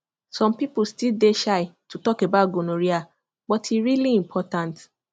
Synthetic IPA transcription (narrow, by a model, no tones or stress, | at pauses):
sɔ̃mpipustildeʃaɪtutɔkebat̚ɡonõɾia | bɔtʰiɾiliĩmpʰɔtãnt